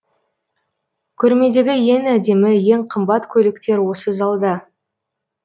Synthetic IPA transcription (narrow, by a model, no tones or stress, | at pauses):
kʲʰɵɾme̞d̪e̞ɡʲɪje̞næd̪e̞mɪje̞ŋqʰəmbɑt̪kʲʰɵlɪkt̪e̞ɾwo̞səzɑlˠd̪ə